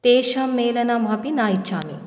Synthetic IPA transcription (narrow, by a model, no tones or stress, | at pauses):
t̪eːʃɐmːeːlɐnɐmɦɐpinaːjt͡ʃʰaːmi